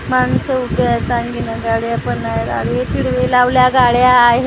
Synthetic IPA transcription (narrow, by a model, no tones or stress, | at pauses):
mansəuʈat͡sãŋɡinəɡaɽjapənːajet̪a̰ɽet̪ʰiɽʋelaʋljaɡaɽjaːɦe